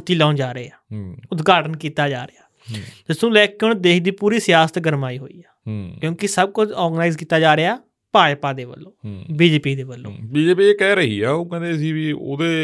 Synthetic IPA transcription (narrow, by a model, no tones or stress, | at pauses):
t̪ːiːlaːnd͡ʒaːɾəeːaːʊt̪ɡaːʈənkiːt̪aːd͡ʒaːɾeaː | t̪ɪst̪ũːlɛːkeːɦʊɳd̪eːkʰd̪iːpuːɾiːsɪjaːsət̪ɡəɾmaːiːɦo̰ːḭːaːkjõːkɪsəb̚kʊt͡ʃɔːɾɡnaːɪzkiːt̪aːd͡ʒaːɾeaː | paːjpaːd̪eːʋə̰lːõːbiːd͡ʒeːpiːd̪eːbəlːõ̰ːbiːd͡ʒeːpiːeːkɛːɾəɦḭːɛːoːkɛ̃ːnd̪eːsiːʋiːo̰ːd̪eː